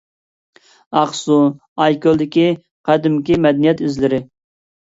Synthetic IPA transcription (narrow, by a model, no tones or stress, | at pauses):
ɑqsu | ɑjkʲolˠd̪ɪkʲi | qʰæd̪ɪmkʲimɛd̪ɛnijɛt̪yzlɪɾɪ